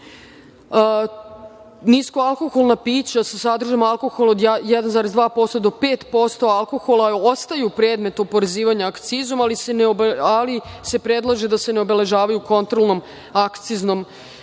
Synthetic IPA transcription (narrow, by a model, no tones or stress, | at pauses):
nisko̞alko̞xo̞lˠnapiːt͡ɕasasad̪r̩ʒamalko̞xolˠod̪jɛd̪anzaːɾezd̪ʋaːpo̞st̪od̪o̞pe̞ːt̪po̞st̪o̞alˠko̞xo̞lˠao̞st̪ajeupɾe̞ːd̪me̞t̪upoɾeziːʋaɲaːkt̪sizo̞maliseneobalise̞pɾe̞d̪lˠaʒed̪ase̞neobe̞le̞ʒaːʋajuko̞nt̪ɾolˠno̞m | akt̪sizno̞m